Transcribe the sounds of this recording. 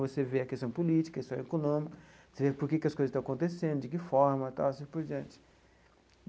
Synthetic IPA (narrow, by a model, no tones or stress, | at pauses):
voseveɐkest̪ɐ̃w̃polit͡ʃi̥kɐest̪ɐ̃w̃ekonõmikɐ | vosevepoɾkekɪɐskojzst̪ɐ̃ɐkõt̪esẽnd̪ʊd͡ʒɪkɪfɔɾmɐt̪a̰ɐsepoɾd͡ʒiɐ̃nt͡ʃɪ̥